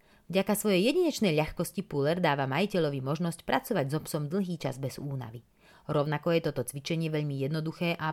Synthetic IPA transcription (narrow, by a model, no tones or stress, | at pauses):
vɟakasʋɔjɛjɛɟiɲɛt͡ʃnɛjʎaxkɔscipulɛɾd̪aːʋamajicɛʎɔʋimɔʒnɔscpɾat͡sɔʋaɟzɔpsɔmd̪l̩ˠɦiːt͡ʃa̰zbɛz̥uːna̰ʋi | ɾɔʊnakɔjɛt̪ɔt̪ɔt͡sʋit͡ʃɛɲɪɛʋɛʎmijɛd̪nɔd̪uxɛːʔa